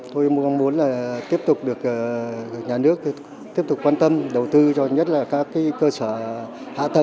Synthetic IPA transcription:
t̪o˧jmu˧ɔ˧ŋ͡mmu˨˦nlaː˨˩t̪i˦˥əp̚t̪ʊ˨˩k͡p̚ɗɨ˨˩ək̚ʔːɲaː˨˩nɨ˦˥ək̪̚ | i˦˥əp̚t̪ʊ˨˩k͡pkːwaː˧nt̪ə˧mɗə˨˩wt̪ɨ˧t͡ɕɔ˧ɲə˦˥t̚laː˨˩kaː˦˥kːaː˨˦jkəː˧səː˧˩ | ha̰ː˧˨t̪ʰə˨˩

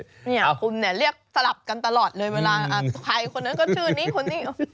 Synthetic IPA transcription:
ni˧˥˩kʰu˧nːi˥˩əɾi˥˩ək̚sa˧la˨˩p̚ka˧nt̪a˧lɔː˨˩t̪̚lɤː˧jwɛː˧laː˧ʔʔa˧˩pʰa˧jkʰo˧nːa˦˥nkɔː˥˩t͡ɕʰɯː˥˩niː˦˥˩kʰo˧nːiː˥˩˧

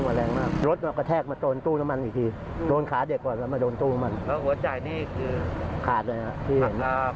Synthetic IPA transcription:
ŋa˧˩ɾɛː˧ŋmaː˥˩k̚ɾo˦˥t̪̚nɔː˧˩kːɔː˧˩t̪ʰɛː˥˩k̚maː˧t̪oː˧nt̪uː˥˩na˦˥ma˧nʔiː˨˩t̪ʰiː˧ | doː˧nkʰaː˩˦de˨˩kːɔː˨˩nlɛː˦˥maː˧doː˧nt̪uː˥˩na˦˥ma˧nɔ˦˥ɦu˩˦ɐt͡ɕa˧jniː˥˩kʰɯː˧kʰaː˨˩t̪̚la˧jɦa˧˩ʔt̪ʰiː˥˩he˨˩˦n˧

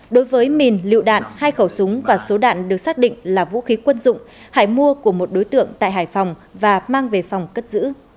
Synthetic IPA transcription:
ɗo˨˦jvəː˨˦jmi˨˩nlḭ˧˨wɗa̰ː˧˨nhaː˧jxə˧˩wsʊ˨˦ŋ͡mvaː˨˩so˨˦ɗa̰ː˧˨nɗɨ˨˩ək̚saː˦˥k̚ɗḭ̈˧˨ŋ̟laː˨˩vṵ˧˥xi˨˦kwə˧nzʊ̰˧˨ŋ͡m | ha̰ː˧˩jmu˧əku˧˩əmo˨˩t̚ɗo˨˦jt̪ɨ̰˧˨əŋt̪a̰ː˧˨jɦaː˧˩jfa˨˩wŋ͡m | vaː˨˩maː˧ŋve˨˩fa˨˩wŋ͡mkə˦˥t̚zɨ̰˧˥

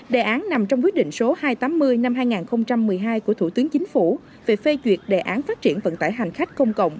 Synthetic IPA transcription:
ɗe˨˩ʔaː˨˦nna˨˩mt͡ɕɔ˧wŋ͡mkwət̚ɗḭ˧˨ŋ̟so˨˦haː˧jt̪aː˨˦mːɨ˧əjna˧mhaː˧jŋaː˨˩nxə˧wŋ͡mt͡ɕa˧mːɨ˨˩əjɦaː˧jku˧˩ət̪ʰu˧˩t̪ɨ˨˦əŋt͡ɕï˨˦ŋ̟fu˧˩ | ve˨˩fe˧t͡ɕwi˨˩ət̚ɗe˨˩ʔaː˨˦nfaː˦˥t̚t͡ɕi˧˩ənvə̰˧˨nt̪a̰ː˧˩jɦa˨˩jŋ̟xa˦˥k̟̚kə˧wŋ͡mkə̰˧˨wŋ͡m

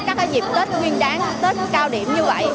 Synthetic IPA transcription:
kaː˦˥k̚ːa˨˦zi˨˩p̚t̪əː˦˥t̚ŋwi˧ənɗaː˨˦ŋt̪ə˦˥t̚kaː˧wɗḭ˧˩˨əmɲɨ˧və̰˧˨j

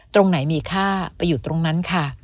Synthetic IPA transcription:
t̪ɾo˧ŋna˩˦jmiː˧kʰaː˥˩pa˧jːuː˨˩t̪ɾo˧ŋna˦˥nkʰa˥˩

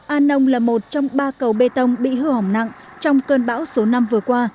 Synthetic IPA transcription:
ʔaː˧nə˧wŋ͡mlaː˨˩mo˨˩t̚t͡ɕɔ˧wŋ͡mɓaː˧kə˨˩wɓe˧t̪ə˧wŋ͡mɓḭ˧˨ɦɨ˧hɔ˨˩wŋ͡mna̰˧˨ŋt͡ɕɔ˧wŋ͡mkəː˧nɓa̰ː˧˥wso˨˦na˧mvɨ˨˩əkwaː˧

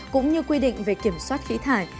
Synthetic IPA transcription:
kʊ̰˧˥ŋ͡mɲɨ˧kwi˧ɗḭ˧˨ŋ̟ve˨˩ki˧˩əmswaː˦˥t̚xḭ˧˥t̪ʰaː˧˩j

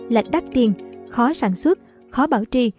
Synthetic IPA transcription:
la̰˧˨jk̟̚ɗa˦˥k̚t̪i˧ənxɔ˨˦saː˧˩nswə˦˥t̚ | xɔ˨˦ɓaː˧˩wt͡ɕi˧

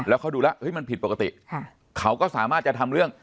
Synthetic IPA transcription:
lɛː˦˥wkʰa˦˥wduː˧la˦˥ʔɤ˦˥jma˧npʰi˨˩t̪̚po˨˩ka˧t̪ḭ˨˩˧ | kʰa˦˥wkɔː˥˩saː˩˦maː˥˩t͡ɕa˨˩t̪ʰa˧mɾɯ˥˩əŋ

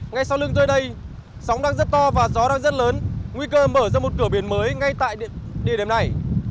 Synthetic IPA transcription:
ŋa˧jsa˧wlɨ˧əŋzəː˧jɗə˧j | sa˨˦wŋ͡mɗaː˧ŋzə˦˥t̚t̪ɔ˧vaː˨˩zɔ˨˦ɗaː˧ŋzə˦˥t̚ləː˨˦nŋwi˧kəː˧məː˧˩zəː˧˩mo˨˩t̚kɨ˧˩əɓi˧˩ənməː˨˦jŋa˧jt̪a̰ː˧˨jɗi˨˧˩ɗe˨˩mna˨˩j

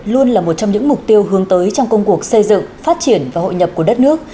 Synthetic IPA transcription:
lu˧ənlaː˨˩mo˨˩t̚t͡ɕɔ˧wŋ͡mɲɨ̰˧˥ŋmʊ˨˩k͡p̚t̪i˧əwɦɨ˨˦əŋt̪əː˨˦jt͡ɕɔ˧wŋ͡mkə˧wŋ͡mku˨˩ək̚sə˧jzɨ̰˧˨ŋfaː˦˥t̚t͡ɕi˧˩ənvaː˨˩ho̰˧˨ɲə˨˩p̚ku˧˩ɗə˦˥t̚nɨ˦˥ək̚

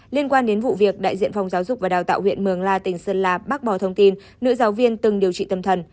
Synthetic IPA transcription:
li˧ənkwaː˧nɗe˨˦nvṵ˧˨vi˨˩ək̚ɗa̰ː˧˨jzḭ˧˨ənfa˨˩wŋ͡mzaː˨˦wzʊ˨˩k͡p̚vaː˨˩ɗaː˨˩wt̪a̰ː˧˨whwḭ˧˨ənmɨ˨˩əŋlaː˧t̪ï˨˩ŋ̟səː˧nlaː˧˩ɓaː˦˥k̚ɓɔ˨˩t̪ʰə˧wŋ͡mt̪i˧nːɨ̰˧˥zaː˨˦wvi˧ənt̪ɨ˨˩ŋɗi˨˩əwt͡ɕḭ˧˨t̪ə˧˩mt̪ʰə˨˩n

